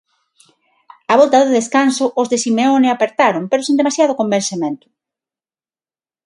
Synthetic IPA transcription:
aβɔlt̪aðeðeskansʊʔːzðesimeonɪapeɾt̪aɾʊmpeɾʊsĩnd̪emasjað̞ʊkombensemẽnt̪ʊ̥

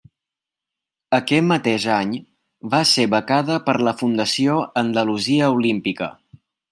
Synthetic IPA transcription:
əkɛt̪mət̪eʒaɲ | βaseβəkaðəpəɾləfund̪əsioənd̪əluziəulimpikə̰

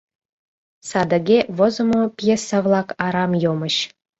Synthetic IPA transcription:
sɑd̪aɡʲevozomopjesɑvlˠɑkɑɾɑmjoməɕ

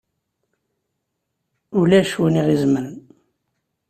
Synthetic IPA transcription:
ulæʃwəniʁizməɾən

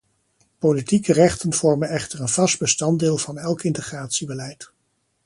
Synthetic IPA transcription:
politikərɛχtənv̥ɔɹmənɛχtəɹənv̥ɑsd̚bəstɑndɪːlˠvɑnɛlˠkɪntəχraːtsibəlɛjt

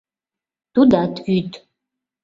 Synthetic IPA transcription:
tudatʰytʰʼ

